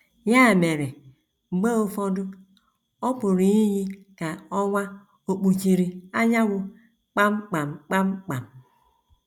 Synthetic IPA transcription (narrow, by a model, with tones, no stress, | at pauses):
ja˦˨me˨ɾe˨ | ŋ͡m̩˨ɡ͡ba˦o˦fo˦du˦ | o˦po˨ɾi˨˦ji˦ji˦ | ka˨o˦wa˦ | o˨k͡pu˨t͡ʃi˨ɾi˨a˦ɲa˦wu˦ | k͡pa˦mk͡pa˨mk͡pa˦mk͡pa˨m